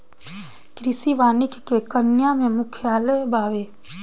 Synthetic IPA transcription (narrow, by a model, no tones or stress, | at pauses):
kɾɪsiʋaːnɪkʰkekənjamẽmʊkʰjaːlebʱaːʋeː